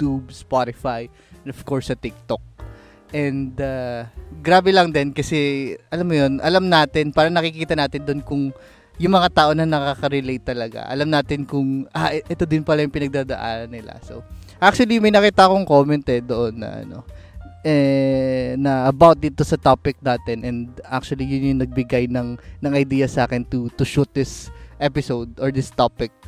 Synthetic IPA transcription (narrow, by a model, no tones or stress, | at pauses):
t̪ubspat̪ɪfaj | ɛnofko̞ɹsːɐt̪ɪk̚t̪ok̚ | ʔɛnd̪aɡɾaːbɛlɐŋd̪ɛnkɐsɛʔɐlamːojo̞nʔɐlamnaːt̪ɪnpaːɾɐnɐkɪkiːt̪ɐnaːt̪ɪnd̪onkʊŋ | jʊŋmɐŋat̪aːʔo̞nɐnɐkaːkɐɾɪlejt̪ːɐlɐɡa̰ʔɐ̰lamnaːt̪ɪnkʊŋʔaʔɛt̪o̞d̪ɪnpɐlajʊŋpɪnɐɡ̚d̪aːd̪ɐʔa̰ːnɐnːɪla̰so̰ | ʔak̚t͡ʃʊɐlimɐjnɐkiːt̪ɐʔɐkoŋkoːmɛnt̪ɛd̪oʔo̞nːɐ̰ʔɐ̰no̞̰ʔɛ | nɐʔɐbawt̪̚d̪iːt̪o̞sɐt̪opɪk̚naːt̪ɛnʔɛnd̪ʔa̰k̚t͡ʃʊɐlijʊnjʊŋnɐɡ̚bɪɡajnɐŋnɐŋɐjd̪iːjɐsaːkɛnt̪ʊt̪ʊʃut̪̚d̪ɪsʔɛpɪsowd̪oɹd̪ɪst̪opɪk̚